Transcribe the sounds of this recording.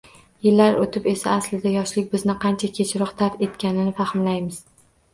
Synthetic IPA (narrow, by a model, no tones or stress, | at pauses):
jɪlːaɾot̪ʰɪpe̞saːslɪd̪ajɒʃlɪkʲbɪznɪqʰɑnt͡ʃʰakʲʰe̞t͡ʃʰɪɾɒqt̪ʰafe̞t̪kʲanɪnɪfahɪmlajmɪz̥